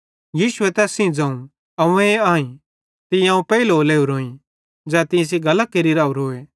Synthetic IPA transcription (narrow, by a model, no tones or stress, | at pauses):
jiːʃʊɛt̪ɛːsĩd͡zãːũ | ɐũeaːĩ | t̪ɪãːũpɛːilɦoleːuɾoːĩ | d͡zɛːt̪ɪ̃s̬iɡɐləkeːɾiɾaːuɾoːe